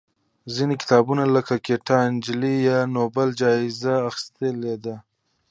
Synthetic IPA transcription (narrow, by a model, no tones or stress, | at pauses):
zinikɪ̥t̪ɑbunaləkakeʈɑɪnd͡ʒlijɑnobald͡ʒɑɪzaːxɪ̥st̪əled̪a